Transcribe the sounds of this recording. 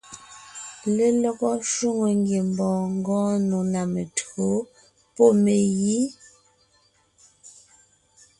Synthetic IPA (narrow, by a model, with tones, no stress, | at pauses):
le˦lɔ˦ɣɔ˦ʃu˦˨ŋo˨ŋɡje˨mbɔ̃ː˨ŋ˦ɡɔ̃ː˦nu˨na˨me˨to˨˦ | pɔ˦˨me˨ji˦